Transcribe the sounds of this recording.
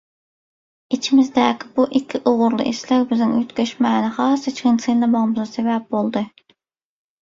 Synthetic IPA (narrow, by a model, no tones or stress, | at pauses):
it͡ʃʰimɪzd̪ɛːkʲʰɪbuʔikʲʰːiʔoʁʊɾlˠɨ̰ʔḭslɛk̚ʲbɪznɪŋøt̪kʲøʃmɛːnɨχɑːsɨt͡ʃʰkʲɪnsɨnlˠɛmɑʁmɨzɑsevɛp̚bolˠd̪ɨ